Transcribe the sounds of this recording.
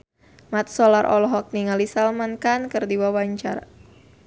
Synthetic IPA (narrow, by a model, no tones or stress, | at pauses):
mat̪̚sɔlarʔɔ̰lɔɦɔk̚niŋalisalmankankərdiwawaɲt͡ʃa̰r